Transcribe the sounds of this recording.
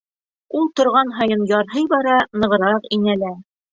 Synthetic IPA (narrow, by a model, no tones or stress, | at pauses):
ulˠt̪ŏɾʁɑnɦɑjɤnjɑɾɦɤjbɑɾɑnɤ̆ʁɤ̆ɾɑqinælæ